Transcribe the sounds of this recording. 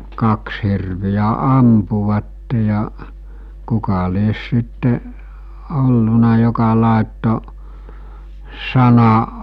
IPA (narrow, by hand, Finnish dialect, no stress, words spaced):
kɑks hirʋijæ ɑmpuʋɑtːe jɑ kukɑ lies sitːe olːunɑ jokɑ lɑˑetːo sɑnɑ